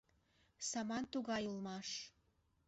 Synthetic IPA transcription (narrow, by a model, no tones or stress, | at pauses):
sɑmɑnt̪uɣɑjulmɑʃ